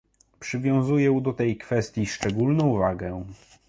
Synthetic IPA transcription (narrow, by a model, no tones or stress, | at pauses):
pʂɘvʲjɔ̃w̃zujɛud̪ɔt̪ɛjkfɛst̪ʲjiʂt͡ʂɛɡulnɔ̃w̃vaɡɛ